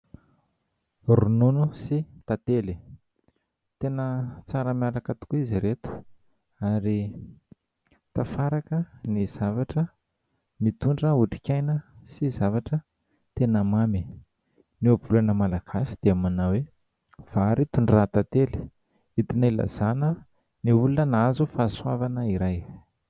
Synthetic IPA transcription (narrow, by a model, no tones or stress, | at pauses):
rununusit̪at̪eli | t̪enət͡saɾəmjalakət̪u̥kuiziɾet̪u̥ | aɾi | t̪afaɾakəniz̥avaʈ͡ʂə | mit̪uɳɖ͡ʐəuʈ͡ʂi̥kʲajnəsizavaʈ͡ʂə | t̪enəmami | nevulanəmalakʰasi̥d̪̥eamanawe | v̥aaɾit̪uɳɖ͡ʐat̪at̪eli̥ | it̪inaila̰z̥anə | niulunənazufaːswavanəiɾaj